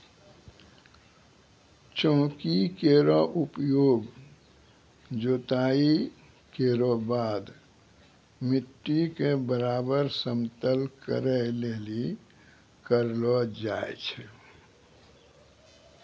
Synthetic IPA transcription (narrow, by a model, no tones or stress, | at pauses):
t͡ʃɔ̃ːkikeɾɔʔupjoːɡ | d͡ʒoːt̪aːi | keɾɔbaːd̪ | mɪʈːikebəɾaːbəɾsəmt̪əlkə̰ɾəɦleːli | kəɾlɔd͡ʒaːḛt͡ʃʰɛ